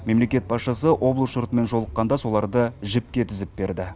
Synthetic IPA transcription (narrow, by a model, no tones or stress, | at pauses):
me̞mle̞kʲe̞t̪̚pʰɑsʃɑsəʔo̞blˠəsʊɾt̪əme̞nʒo̞lˠəqːɑnd̪ɑso̞lˠɑɾd̪əʒɪp̚kʲe̞t̪ʰɪzɪp̚be̞ɾd̪ɪ